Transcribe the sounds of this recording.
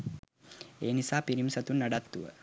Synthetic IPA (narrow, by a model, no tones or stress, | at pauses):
eːnisaːpiɾimsɐt̪unːɐɖat̪ːuʋə̰